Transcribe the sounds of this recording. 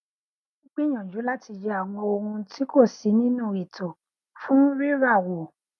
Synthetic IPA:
ĩ˦k͡pi˦˨j̃ã˨d͡ʒu˨˦la˦ti˧d͡ʒɛ˧a˦˨w̃ɔ̃˧o˧hũ˧tʰi˦ko˦˨si˨˦nĩ˦nũ˦˨i˨tʰo˨ | fũ˦ɾi˦ɾa˦˨wo˨

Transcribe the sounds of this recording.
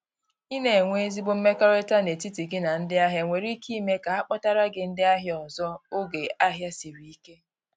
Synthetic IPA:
i˦ne˨ŋʷe˦zi˦bʊ˦m̩˦me˦ka˦ɾe˦ta˦ne˨ti˦ti˨ɡɪ˦na˨n̩˦dɪ˦a˦ɦja˦ŋʷe˨ɾi˦kʰi˦me˦ka˨a˦k͡pɔ˦ta˦ɾa˦ɡɪ˨n̩˦dɪ˦a˦ɦjɔ˨zɔ˦o˦ɡe˨ʔa˦ɦja˦si˨ɾi˨i˦ke˦

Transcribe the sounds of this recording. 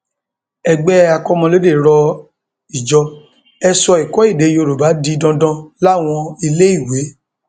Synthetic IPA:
ɛ˧ɡ͡bɛ˦a˧kɔ˦mɔ̃˧le˦de˦˨ɾɔ˧ | i˨d͡ʒɔ˧ | ɛ˧sɔ˧i˨kɔ˨˦i˦˨de˨˦jo˧˨ɾo˨ba˨˦di˧dɔ̃˧dɔ̃˧la˦˨w̃ɔ̃˧i˧le˦i˦˨we˨˦

